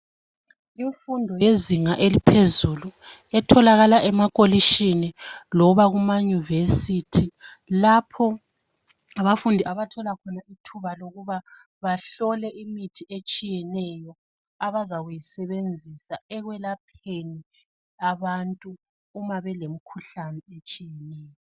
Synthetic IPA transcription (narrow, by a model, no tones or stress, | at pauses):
iɱfundʱɔjeziŋaʔelipʰezuluɛtʰɔlaɣalaʔɛmakʼoliʃinilɔβaɣumaɲuvesitʰi | lapʰɔ | aβafundʱiʔaβatʰɔlakʰɔnaitʰuβaloɣuβa | βaɬɔlɛʔimitʰiʔet͡ʃʼijɛnɛjɔ | aβazaɣujisɛβend͡zʱisaɛɣwɛlapʰeni | aβantʼuː | maβɛlem̩kʰuɬanɛet͡ʃʼijɛnɛːjɔ